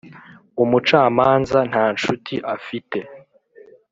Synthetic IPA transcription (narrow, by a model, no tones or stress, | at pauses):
umut͡ʃaːmaːnzan̥haːnt͡ʃutʰiʔafite̞